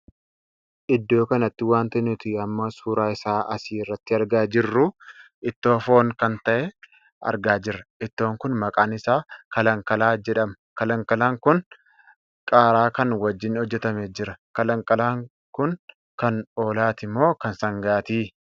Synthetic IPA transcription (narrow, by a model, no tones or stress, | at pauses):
ʔɪd̪ːo̞ːkɐnɐt̪ːɪwaːnt̪ɐnʊt̪ɪɐmːɐsuːɾaːɪsaːʔɐsiːrːɐt̪ːɪɐɾɡaːd͡ʒɪrːʊʔɪt̪ːo̞ːfo̞ːŋkɐnt̪ɐʔɛ | ɐ̰ɾɡaːd͡ʒɪɾːɐɪt̪ːo̞ːŋkʊnmɐkʼaːnɪsaːkɐlɐŋkɐlaːd͡ʒɛᶑɐmɐkɐlɐŋkɐlaːŋkʊn | kʼaːɾaːkɐnwɐd͡ʒːɪnhɔd͡ʒːɛt̪ɐmeːd͡ʒɪɾɐkɐlɐŋkʼɐlaːŋ | kʊn | kɐno̞ːlaːt̪ɪmːo̞ːkɐnsɐŋɡaːt̪iː